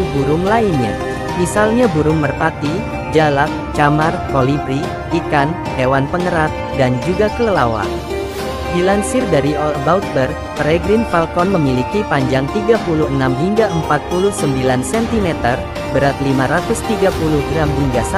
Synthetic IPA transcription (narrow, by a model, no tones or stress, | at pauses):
buɾʊŋlainɲa̰ | misalɲabuɾʊŋmərpaki | d͡ʒalak̚t͡ʃamarkolifi | ikan | hewanpəŋəɾat̪̚ | dand͡ʒuɡakələlawa̰ | dilansɪrdaɾiɔlbaut̪̚bər | t̪əɾɛɡɾɪnfalkɔnməmilikipaɲd͡ʒaŋt̪iɡapuluhənamɦiŋɡaəmpat̪̚pulʊhsəmbilansɛnt̪imɛt̪ər | bəɾat̪limaɾat̪ʊst̪iɡapuluhɡɾamɦiŋɡasa